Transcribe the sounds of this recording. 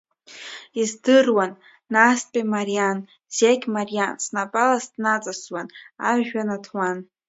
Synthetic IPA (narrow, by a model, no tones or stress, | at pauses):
izdɨrwanː | aspʲʼemarian | z̥akʲmarijansnapʼalasdnat͡sʼaswana̰ʕʒᶣanatʰwan